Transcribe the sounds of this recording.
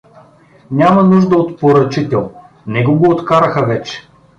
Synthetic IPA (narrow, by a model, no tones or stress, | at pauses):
nʲamɐnuʒd̪əot̪poɾɐt͡ʃit̪ɛlˠ | nɛɡoɡoːt̪kaɾəxəvɛt͡ʃɛ̥